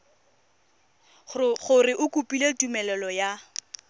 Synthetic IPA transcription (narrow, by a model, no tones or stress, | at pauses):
χʊrɪʔʊkʼupʼiletʼumɛlɛlɔja